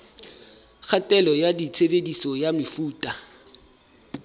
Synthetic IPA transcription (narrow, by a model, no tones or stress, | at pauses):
k͡xʰatʼɛlɔjadit͡sʰebedisɔjamɪfuːtʼa